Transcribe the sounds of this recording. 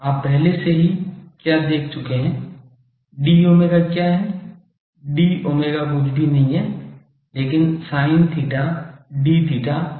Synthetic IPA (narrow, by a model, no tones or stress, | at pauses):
aːpːɛɦleseɦikjaːd̪eːkʰt͡ʃʊkeɦɛ̃ː | ɖioːmeɡakjaɦɛ | ɖioːmeɡaɡʊd͡ʒɖinɐɦĩɦɛ | leːkɪnsaːɪ̃nt̪ʰiːʈaɖit̪ʰiːʈa